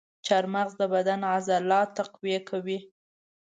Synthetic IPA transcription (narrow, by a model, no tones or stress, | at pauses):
t͡ʃaɾmaɣzd̪əbad̪anazalːɑt̪aqwijekʰawi